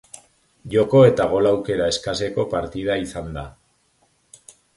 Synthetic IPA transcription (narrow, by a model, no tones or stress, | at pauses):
ʝo̞ko̞e̞t̪aɣ̞o̞lawke̞ɾae̞skase̞ko̞paɾt̪ið̞aisand̪a